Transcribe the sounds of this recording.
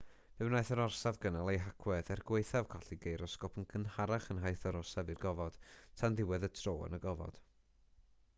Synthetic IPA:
vɛwnajθəɾɔrsavɡənalˠejɦakʰwɛðɛrɡweɨθav̥kʰaɬiɡejɾɔskɔpʰənkʰənhaɾaχənɦajθəɾɔrsavirɡɔvɔd̥tʰanðɪwɛðətʰroːə̰nəɡɔvɔ̰d̥

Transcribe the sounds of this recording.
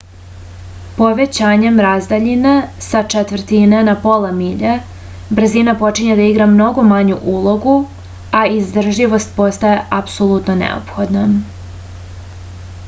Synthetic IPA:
po̞ʋe̞t͡ɕaːɲe̞mɾazd̪aʎinesat͡ʂet̪ʋr̩t̪inenapolˠamiʎe | br̩zinapo̞t͡ʃiɲed̪aiɡɾamno̞ɡo̞maɲuʔulˠo̞ɡu | aizd̪r̩ʒiʋo̞st̪̚po̞st̪aje̞ʔapsolˠut̪no̞nḛo̰pxo̞d̪nam

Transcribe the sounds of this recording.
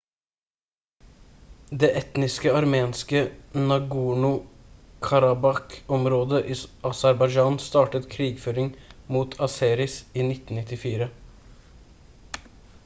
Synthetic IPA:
d̪eːʔɛt̪nɪskəɑɾmeːnskənɑɡuːɳʊkʰɑɾɑbɑkɔmɾoːd̪əʔiːʔɑsæɾbɑɪd͡ʒɑːnst̪ɑːʈət̪kʰɾiːɡføːɾɪŋmuːt̪ʰɑseːɾɪsiːnɪt̪n̩nɪt̪ɪfiːɾə

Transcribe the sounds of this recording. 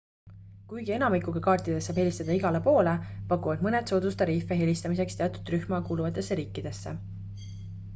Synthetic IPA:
kujɡ̥ie̞nɑmikːˑukekɑːrt̪ˑid̪̥e̞sɑːb̥e̞lʲist̪ɑd̪̥ɑiɡ̥ɑle̞po̞ːlepɑkːˑuvɑd̪mɤned̪̥soːd̪̥ust̪ɑɾiːfːˑeɦe̞lʲist̪ɑmise̞kst̪e̞ɑt̪ud̪̥ryhmɑkuːluvɑt̪ːˑe̞sːeɾiːkːˑid̪̥e̞sːe̞̰

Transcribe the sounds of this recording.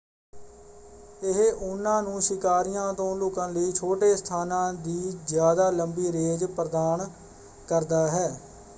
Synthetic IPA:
ɪɦeʔʊnːãːnũːsɪkaːɾɪjãːt̪õːloːkãːləiːt͡ʃʰoːʈeːst̪ʰaːnãːd̪iːzjaːd̪aːləmbiːɾeːd͡ʒpɾəd̪aːn | kəɾd̪aːɦɛː

